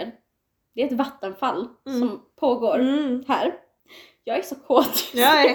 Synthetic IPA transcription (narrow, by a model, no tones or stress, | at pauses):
d̪ɛɾɛt̪vat̪ːənfalːsɔmpʰoːɡoːɾhæːɾ | jɑːɡæsɔkʰoːt̪ː